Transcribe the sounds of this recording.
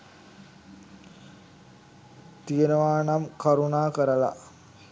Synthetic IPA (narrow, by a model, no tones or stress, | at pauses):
t̪ijənəʋaːnamkaɾunaːkəɾəla̰